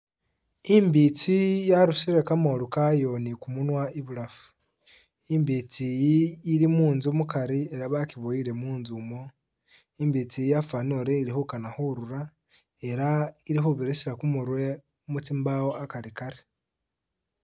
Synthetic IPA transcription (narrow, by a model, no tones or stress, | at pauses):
imbit͡sijaɾuʃiɾe̞kamolukajo̞nikumunwaiβulafu̥ | imbit͡sijːɾimuːnzumukaɾie̞ɾaβakiβoiɾe̞muːnzumo | imbit͡sijafanoɾeiɾixukanaxoɾuɾa | eɾaiɾixoβiɾesiɾakumuɾwe | umut͡simbawoakaɾikaɾi